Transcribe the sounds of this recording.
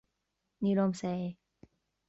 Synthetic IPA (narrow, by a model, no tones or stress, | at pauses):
nilomse